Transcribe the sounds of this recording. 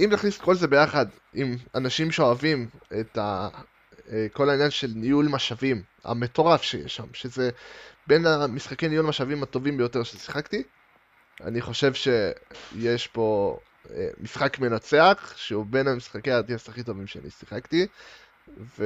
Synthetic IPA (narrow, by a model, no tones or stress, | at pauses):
imtaχnisko̞lze̞be̞jaχad | imanaʃimʃeoavimeta | ko̞lainjanʃe̞lnijulmaʃavim | a̰me̞to̞ʁafʃejḛʃamʃe̞ze̞benamisχake̞jnijulmaʃavimato̞vimbejo̞te̞ʁʃesi̥χakti | a̰niχo̞ʃe̞vʃe̞jeʃbo̞ | ḛmisχakme̞nat͡se̞aχʃeube̞namisχakejat̪iasaχit̬o̞vimʃea̰nḭsiχakti | ve